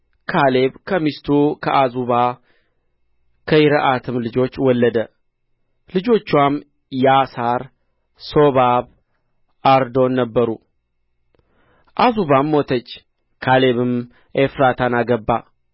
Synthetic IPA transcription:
kʰale̞βkʰəmist̪ʰukʰəʔazuβa | kʰəjɪɾəʔat̪ʰɨmlɨd͡ʒo̞t͡ʃːwɔlːəd̪ə | lɨd͡ʒo̞t͡ʃːwam | jasaɾ | so̞βaβ | aɾd̪o̞nːəbːəɾu | ʔazuβamːot̪ʰət͡ʃː | kʰale̞βɨm | ʔefɾat̪ʰanaɡəbːa̰

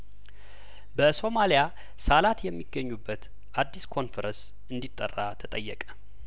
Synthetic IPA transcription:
bəso̞malija | salat̪jɛmːiɡːəɲːubːət̪ | ʔad̪ːiskʰo̞nfɛɾəns | ɨnd̪it̪ʼːə̰rːat̪ʰət̪ʼəjːɛkʼə̥

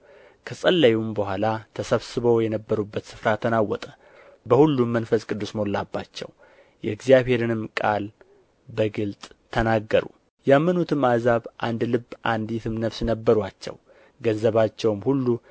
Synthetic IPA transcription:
kʰəsʼəlːajumbəhʷalat̪ʰəsəβsɨβowjɛnəbːəɾubːət̪sɨ̥fɾat̪ʰənawːɔt̪ʼə | bəhulːumːənfəskʼɨd̪ːusmo̞lːabːat͡ʃːɛ̰w | jɛɡzijaβhe̞ɾɨnɨmkʼal | bəɡɨlt̪ʼt̪ʰənaɡːəɾṵ | jamːənut̪ʰɨmazaβʔa̰nd̪lɨbːʔand̪it̪ʰɨmnəfsnəbːəɾwat͡ʃːɛ̰w | ɡənzəβat͡ʃːɛwmhulːu

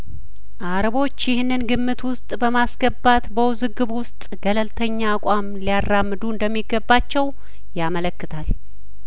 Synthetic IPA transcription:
ʔaɾəβo̞t͡ʃːjɪhnːɨnɡɨmːɨt̪wʊst̪ʼbəmasɡəbːat̪bəwʊzɨɡɨβwʊst̪ʼɡ̥ələlt̪ʰəɲːaːkʷʼamlijarːamːɨd̪uɨnd̪əmːiɡəbːat͡ʃːɛw | jamələkːɨt̪ʰal

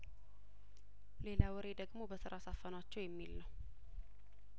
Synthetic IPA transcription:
le̞lawɔɾe̞d̪əɡmobəsɨɾasafənat͡ʃːɛwjɛmːilːəw

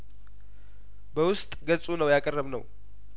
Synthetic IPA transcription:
bəwʊst̪ʼɡət͡sʼunəwjakʼərːəβnə̰w

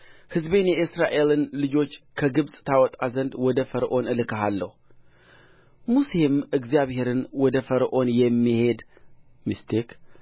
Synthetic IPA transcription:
hɨzbe̞njɛʔɨsɾaʔe̞lɨnlɨd͡ʒo̞t͡ʃːkʰəɡɨβsʼt̪ʰawɔt̪ʼazənd̪wɔd̪əfəɾʔo̞nɨlɨkʰəɦalːəhu | muse̞mɨɡzijaβhe̞ɾɨnwɔd̪əfəɾʔo̞njɛmːihe̞d̪ | mɨst̪ʰek

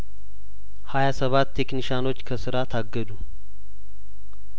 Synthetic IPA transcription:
hajasəβat̪ːe̞kniʃano̞t͡ʃːkʰəsɨɾat̪ʰaɡːəd̪u

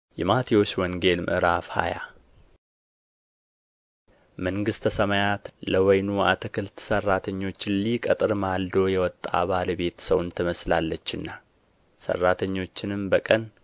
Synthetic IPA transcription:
jɛmat̪ʰiwo̞t͡ʃːwɔŋɡe̞lmɨ̰ʔɨɾafha̰ja | məŋɡɨst̪ʰəsəmajat̪ləwɔjnua̰t̪ʰəkʰɨlt̪ʰsərːat̪ʰəɲːo̞t͡ʃːɪlikʼət̪ʼɨɾmald̪o̞jɛwɔt̪ʼːa̰βalβe̞t̪səwnt̪ʰəməslalːət͡ʃːɨnːa | sə̰rːat̪ʰəɲːo̞t͡ʃːɪnɨmbəkʼən

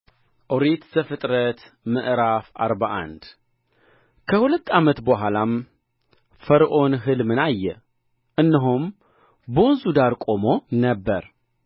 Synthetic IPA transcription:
ʔoɾet̪z̥əfɨt̪ʼɾət̪ | mɨʔɾafa̰ɾbaʔa̰nd̪ | kʰəhulət̪ːamət̪bəɦalam | fəɾʔo̞nɦɨlmɨnajːɛ | ʔɨnːəɦum | bonzud̪aɾkʼo̞mo̞nəbːəɾ

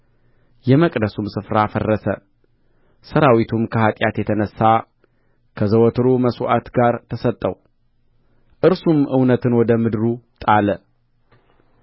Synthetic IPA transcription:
jɛməkʼd̪əsumsɨfɾafərːəsə | səɾawit̪ʰumkʰəhat̪ʼjat̪jɛt̪ʰənəsːa | kʰəzəwɔt̪ʰɨɾuməsuʔat̪ɡaɾt̪ʰəsət̪ʼːə̰w | ʔɨɾsumʔɨwnət̪ʰɨnwɔd̪əmɨd̪ɾut̪ʼalə

